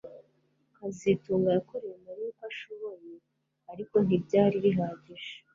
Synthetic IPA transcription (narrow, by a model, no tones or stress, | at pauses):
kazituːŋɡajakoɾejemuɾikaʃoβo̞je | aɾiko̞nibɟaːɾiɾiɦaːɟiʒḁ